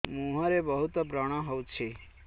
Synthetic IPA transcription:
mũɦaɾebəɦut̪pɾəɽ̃ãɦɔt͡ʃʰe

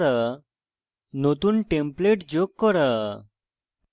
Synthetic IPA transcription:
ɾə | not̪uːnʈẽmpleʈd͡ʑokːəɾə

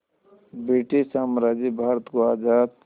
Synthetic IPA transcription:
beːʈisaːmɾaːd͡ʒibʱaːɾət̪koaːd͡ʒaːd̪̚

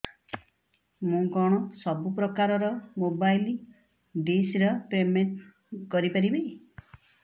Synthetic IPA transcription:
mũɡɔɽ̃ɔsɔbupɾɔkaɾɔɾɔmobajl | ɖesɾɔpemeɳʈ | kɔɾipaɾibe

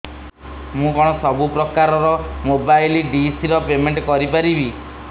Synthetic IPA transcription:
mũkɔɽ̃ɔsɔbupɾɔkaɾɔɾɔmobajliɖisiɾɔpemeɳʈkɔɾipaɾibi

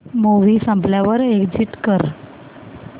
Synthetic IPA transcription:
moʋiːsə̃mpljaʋəɾekd͡ʑiʈkəɾ

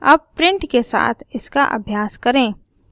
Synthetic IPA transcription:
a̰b̚pɾɪ̃ɳʈkesa̰ːt̪ʰɪska̰ʔɐ̰bʱjaːskɐɾẽː

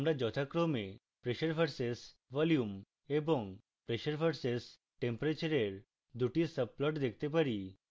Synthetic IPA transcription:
amɾad͡ʑɔt̪ʰakɾome | pɾeʃəɾpʰaɾses | ʋɔljum | eboŋ | pɾeʃəɾpʰaɾses | ʈempoɾat͡ɕaɾeɾ | d̪uʈisəb̚plɔʈd̪ekʰt̪epaɾi

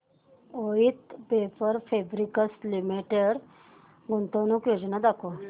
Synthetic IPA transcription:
oit̪befəɾfebɾikəslimiʈeɽ | ɡunt̪ənukjod͡ʑnad̪akʰo

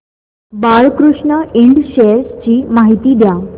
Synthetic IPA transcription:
baɭkɾuʂɳəiɳɖɕeəɾst͡ɕiːmaɦit̪iːd̪ja

